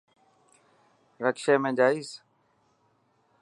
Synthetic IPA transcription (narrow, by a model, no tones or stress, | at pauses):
ɾəkʃeːmẽːd͡ʒaːiːs